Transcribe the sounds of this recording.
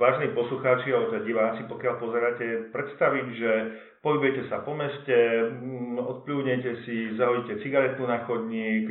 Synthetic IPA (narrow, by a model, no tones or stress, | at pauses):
ʋaːʒɛniːpɔsluxaːt͡ʃiaɔt̪ɛɟiʋaːt͡sipɔkɪalpɔzɛɾaːcɛpɾɛt̪st̪aʋiɟʒɛ | pɔɦibʊjɛcɛsapɔmɛscɛ | ɔt̪pluːdɲɛcɛsizaɦɔicɛt͡siɡaɾɛt̪nunaːxɔd̪ɲiːk